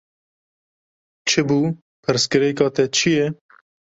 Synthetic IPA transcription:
t͡ʃʰɨbuː | pʰɨɾskɨɾɛkɑːt̪ɛt͡ʃʰijɛ

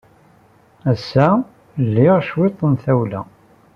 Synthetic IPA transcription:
æsːæ | lːɪʁʃwit̪ˤːənθæwlæ̰

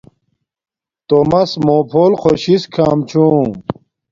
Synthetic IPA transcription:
t̪omɐsmoːpʰoːlxoɕiskʰaːmt͡ɕʰũː

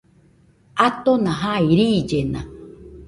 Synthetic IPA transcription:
at̪onãɦaiɾiːd͡ʒena̰

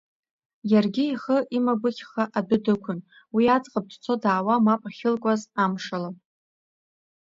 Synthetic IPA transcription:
jarɡʲɪiχəʔimabɨkʲʰχaʔadʊdɨkʷʰʊn | wiad͡zʼqʼab̚dʰʼt͡sʷʰo̞daːwamapʼaχʲɪlkʷʼazamʂala

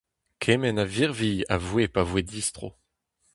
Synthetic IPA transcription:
kʰɛmɛnaviʁvija̰vwepavwed̪ist̪χo̰

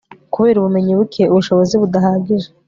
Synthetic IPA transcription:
kuβe̞ːɾuβume̞ɲiβukʰe̞uβuʃo̞βo̞ziβudaɦaːɡiʒe

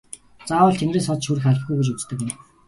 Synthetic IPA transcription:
t͡saːwə̆ːɬt̪ʰeŋreːsɔt͡s̪ʃuɾɘ̆xaɮʲɪ̆ɡujɡet͡ɕut͡st̪ə̆kɪ̆m

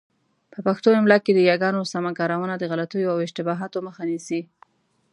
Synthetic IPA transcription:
pəpaxt̪oɪmlɑked̪əjɑɡɑnosamakɑɾawənad̪əɣalat̪ujoawɪʒt̪ɪbɑɦɑt̪oməxanisi

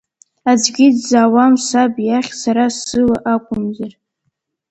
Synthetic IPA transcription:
ad͡ʒɡʲɪdzaːwamsabjaχʲsaɾasɨlaʔakʷʼʊmzar

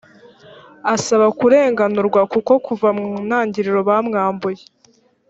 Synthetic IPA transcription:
asaβakuɾe̞ːŋɡanuɾɡwakuko̞kuvamnaːɲɟiɾiɾo̞βaːmŋaːmboje

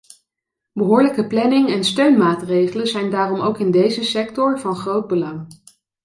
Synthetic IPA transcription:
bəɦʊːɹləkəplɛnɪŋɛnstøɥnmaːtrejχələzɛjndaːrɔmowkɪndejzəsɛktɔɹvɑnχrowd̚bəlɑŋ

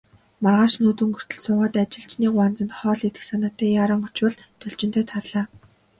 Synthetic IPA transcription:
marʁaːʃnuːt̪ŭŋɡɵr̥t̪ɵ̆ɮsʊːʁaːt̪at͡ɕɪ̆ɬt͡ɕniːkʊant͡sə̆nt̪χɔːɮit̪ɘ̆ksanaːt̪ːæːjaːɾə̆ŋʊt͡ɕwə̆ɮt̪ʰɵɮt͡ɕɪ̆n̥t̪ʰeːt̪ʰarɮaː

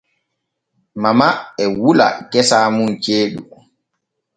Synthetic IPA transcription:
mamaɛwula̰kɛsaːmunt͡ʃeːɗu

